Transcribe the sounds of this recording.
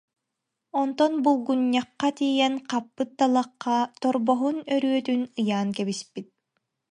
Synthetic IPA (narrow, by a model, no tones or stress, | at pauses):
ɔnt̪ɔnbulˠɡuɲːɑqːat̪ijɛnqapːɯt̪̚d̪alˠɑqːat̪ɔɾbɔɦunœɾyœt̪ynɯjaːnkɛbispit̪̚